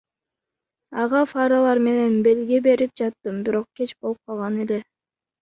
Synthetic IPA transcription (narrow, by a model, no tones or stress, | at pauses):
ɑʁɑfaɾalˠɑɾme̞ne̞nbe̞lɡebe̞ɾip̚d͡ʒɑt̪ːɯmbiɾo̞q̚ke̞t͡ʃbo̞lˠɯp̚qʰɑlˠʁɑne̞le̞